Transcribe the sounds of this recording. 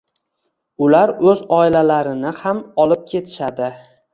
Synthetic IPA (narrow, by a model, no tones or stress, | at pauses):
ʊlaɾɵzɒɪlalaɾɪnɪhamɒlˠɪp̚kʲʰe̞t̪ʰɪ̥ʃad̪ɪ